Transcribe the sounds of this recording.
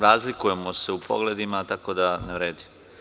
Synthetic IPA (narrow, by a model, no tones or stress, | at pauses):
ɾaːzlikuje̞mo̞se̞upʰo̞̰ɡle̞d̪imat̪ako̞d̪aneʋɾeːd̪im